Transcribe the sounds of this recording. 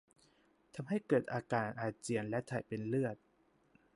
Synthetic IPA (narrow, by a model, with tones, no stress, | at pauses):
t̪ʰa˧mɦa˥˩jkɤː˨˩t̪̚ʔaː˧kaː˨˩n̚ʔaː˨˩t͡ɕi˧˩ənlɛ˦˥t̪ʰaː˨˩jpe˧nlɯ˥˩ət̪̚